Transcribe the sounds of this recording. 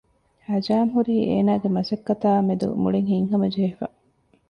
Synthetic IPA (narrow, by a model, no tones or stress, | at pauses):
hɐd͡ʒaːmɦuɾiːʔḛːnaːɡemɐsɐkːɐt̪aːmed̪ṵmuɭiŋhiŋɦɐmɐd͡ʒeːfɐ̰